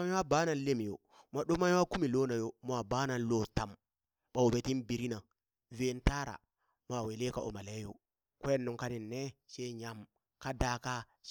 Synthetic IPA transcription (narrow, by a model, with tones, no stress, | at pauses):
a˦wa˦baː˦na˨nle˦m˨jo̰˨ | ma˨ɗo˦ma˦wa˦ku˦mi˨lo˦na˨jo˨m˦a˨ba˦na˨lo˦ta˨m | ɓa˨wo˨be˨ti˦nbi˨ɾi˦na˨ | ve˦nta˦ɾa̰˨ | m˦a˨we˨le˦ka˨o̰˨ma˨le˦jo̰˨ | ko˦je˦nːo˨ŋka˦ni˨nːe˦ʃe˦ɲa˨m | ka˦da˨ka˦